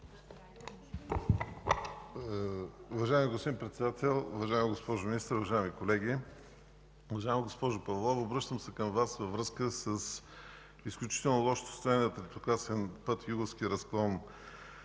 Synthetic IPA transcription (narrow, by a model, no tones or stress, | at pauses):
ʊvɐʒaɛmiɡospd̪impɾɛt̪sɛd̪at̪ɛlˠuvɐʒaɛmiɡospɔʒʊminist̪əɾʊvɐʒaɛmikolɛɡ̟i | ʊvɐʒaɛmiɡospɔʒʊpɐvolˠɔvobɾɤʃt̪əmsɛkəmvasvəvɾɤskəsəs | isklʲut͡ʃi̥t̪ɛlˠnolˠɔʃt̪o̥st̪ovɛniət̪ɾɛp̪okasɛnpɤt̪juɡofsk̟ʲiɾɐsklˠɔn